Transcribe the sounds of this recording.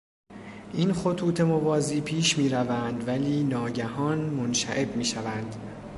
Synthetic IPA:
ʔinxo̞t̪ʰuːt̪ʰe̞mo̞vɒːziːpʰiːʃmiːɾævænd̪væliːnɒːɟæɦɒːnmonʃæ̰ʔe̞bmiːʃævænd̪

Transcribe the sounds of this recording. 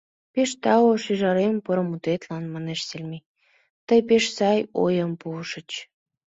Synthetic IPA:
peʃt̪ɑoʃiʒɑɾempəɾəmut̪et̪lɑnmɑneʃselʲmi | t̪əjpeʃsɑjo̰jəmpuʃə̆t͡ɕ

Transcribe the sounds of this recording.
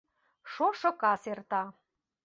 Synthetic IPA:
ʃoʃŏkɑsert̪ɑ

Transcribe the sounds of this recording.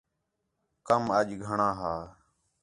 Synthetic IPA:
kəməʄɡʱəɳãːɦaː

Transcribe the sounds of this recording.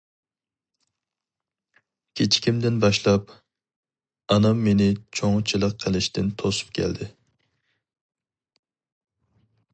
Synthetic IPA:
kʲʰet͡ʃʰi̥kʲimd̪ɪnbɑʃlˠɑp̚ | ɑnɑmːenɪt͡ʃʰoŋt͡ʃʰilˠəqʰːəlˠɪʃt̪ɪnt̪ʰosu̥p̚kʲʰɛ̰ld̪ɪ

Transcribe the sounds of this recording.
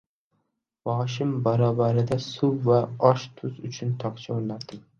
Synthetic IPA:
vɒʃɪmbaɾɒvaɾɪd̪asʊwvaɒʃt̪ʰʊzʊt͡ʃʰʊnt̪ʰɒqt͡ʃʰaonat̪ɪŋ

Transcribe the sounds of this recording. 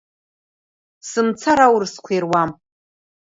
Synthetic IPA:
sɨmt͡sʰaɾawrskʷʰerwam

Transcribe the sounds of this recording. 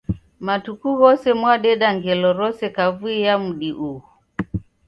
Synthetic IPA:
matukuɣɔsɛmwaɗɛɗaŋɡɛlɔɾɔsɛkavuijamuɗiʔuhu

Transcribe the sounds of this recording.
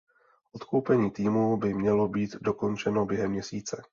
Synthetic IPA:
ʔo̞t̪ko̞wpɛɲiːt̪iːmuːbɪmɲɛlo̞biːt̪do̞ko̞nt͡ʃɛno̞bjɛɦɛmːɲɛsiːt͡sɛ

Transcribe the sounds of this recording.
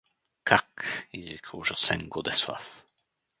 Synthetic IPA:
kʰakizvikʰəwʒasɛ̰nɡɔd̪ɛswa̰f

